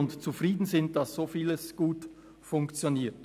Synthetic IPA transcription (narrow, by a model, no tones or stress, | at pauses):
ʊntt͡sufʁiːdn̩zɪnt̚d̥ɑsz̥oːfiːləsɡ̥uːt | fʊŋkt͡sjoniːt